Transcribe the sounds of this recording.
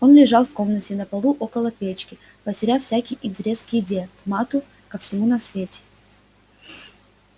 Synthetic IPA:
o̞nlʲɪʐɑlˠfko̞mnətʲɪnəpɐlˠuʔo̞kəlˠəpʲet͡ɕkʲɪ | pətʲɪɾʲafsʲækʲɪjʔɪnʲtʲɪɾʲe̞skʲɪɪdʲejəkmat̪ʊ | kəfsʲɪmunɐsvʲetʲɪ̥

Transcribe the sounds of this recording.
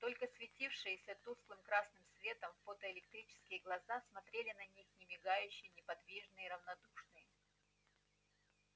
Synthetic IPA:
t̪o̞lʲkəsvʲɪtʲifʂɨjɪsʲɐt̪uslˠɨmkɾasnɨmsvʲe̞t̪əmfot̪əɪlʲɪkt̪ɾʲit͡ɕɪ̥skʲɪjəɡlˠɐzasmɐt̪ɾʲelʲɪnɐnʲixnʲɪmʲɪɡajʉɕːɪjnʲɪpɐd̪vʲiʐnɨjɪɾəvnɐd̪uʂnɨjə

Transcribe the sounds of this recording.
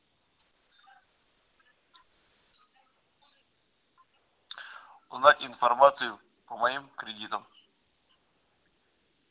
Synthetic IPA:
ʊznatʲɪnfɐrmat̪sɨjʊ | pəmɐimkɾʲɪdʲit̪əm

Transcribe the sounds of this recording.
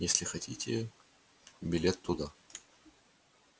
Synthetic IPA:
jesʲlʲɪxɐtʲitʲɪ | bʲɪlʲet̪ʰːʊd̪a

